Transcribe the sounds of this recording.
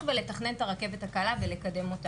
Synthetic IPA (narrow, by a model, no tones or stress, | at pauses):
vele̞taχne̞ntaʁake̞vethakalavele̞kade̞mo̞t̪a